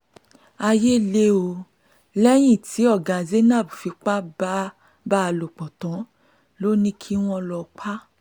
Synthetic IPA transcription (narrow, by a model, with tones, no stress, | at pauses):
a˧je˦le˦o˧ | lɛ˦j̃ĩ˦˨tʰi˨˦ɔ˦˨ɡa˨ze˦nã˦˨bu˨fi˨˧k͡pa˦ba˦ | ba˦˧lo˨k͡pɔ˨tɔ̃˨˦ | lo˦nĩ˦kʰi˦w̃ɔ̃˧lɔ˧˨k͡pʰa˦